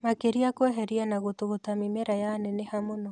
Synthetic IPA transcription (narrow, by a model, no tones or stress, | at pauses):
makeɾiakwɛɦɛɾianaɣotoɣotamimɛɾajanɛnehamonɔ